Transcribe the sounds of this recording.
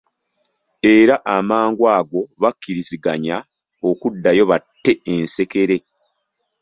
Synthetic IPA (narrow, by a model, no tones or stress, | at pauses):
e̞ɾaʔamaːŋɡwaːɡo̞βakːiɾiziɡaɲa | o̞kudːajo̞βatːe̞ense̞ke̞ɾe̞